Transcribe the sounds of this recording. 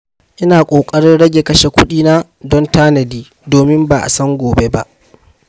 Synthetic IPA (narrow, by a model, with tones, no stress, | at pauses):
ʔɪ˦naː˨kʷʼoː˨kʼɐ˦ɽɪ˦nɽɐ˦ɡʲe˨kɐ˦ʃe˨kʷʊ˦ɗiː˦na˦ | dɔ˦ntaː˦nɐ˨diː˦ | doː˨mɪ˦mba˨ʔa̰˨sɐ˦ŋɡʷoː˨be˦ba˦ʔ